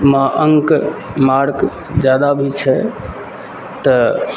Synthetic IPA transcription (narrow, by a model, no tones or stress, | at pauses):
maʔəŋkmaɾk | d͡ʒad̪abʱit͡ʃʰɛ | t̪ɔ